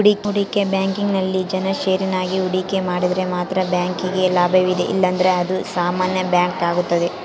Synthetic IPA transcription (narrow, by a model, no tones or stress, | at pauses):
uɽikuɽikebjaːŋkiŋɡnɐlːid͡ʒɐnɐʃeːɾinaːɡiuɽikemaːɽid̪ɐɾe̞maːt̪ɾɐbjaːŋkiɡelaːbʱɐʋid̪eʔḭlːɐnd̪ɐɾe̞ɐd̪usaːmaːnjɐbjaːŋkaːɡut̪ːɐd̪e